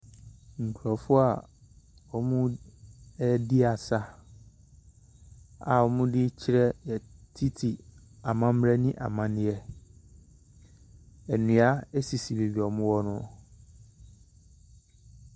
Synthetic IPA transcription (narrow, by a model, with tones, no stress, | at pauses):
ŋ̩˨kʰɾɔ˨fʊ˦a˨ | ɔ˨mʊ̃˦ | ɛ˦di˦a˨sa˦ | a̰˨ɔ˨mʊ̃˦dɪ˦t͡ɕʰɪ˦ɾɛ˦jɛ˨tʰi˦tʰi˨ | a˨mã˦m̩˦ɾɛ˦nɪ̃˦ʔa̰˨mã˦nɪ̃˦jɛ˦ | ɛ˨nũ˨a˦ɛ˦si˨si˨li˨bi˨ɔ˨mʊ̃˦wɔ˦nʊ̃˦ɔ˨